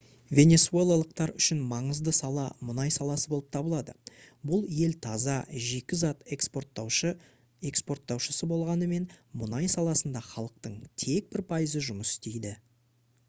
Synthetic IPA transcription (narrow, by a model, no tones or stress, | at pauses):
vʲe̞nʲe̞sue̞lˠalˠəq̚t̪ɑɾʏʃɪnmɑɴəzd̪əsɑlˠɑmʊnɑjsɑlˠɑsəbo̞lˠəp̚t̪ʰɑbəlˠɑd̪ə̰bʊlˠje̞lt̪ʰɑzɑʒe̞kʲɪzɑt̪ekspot̪w | e̞kspo̞rt̪ːɑwʃəsəbo̞lˠʁɑnəme̞nmʊnɑjsɑlˠɑsənd̪ɑχɑlˠəq̚t̪əɴt̪ʰe̞k̚bɪɾpʰɑjəzəʒʊməsɪ̥st̪e̞jd̪ɪ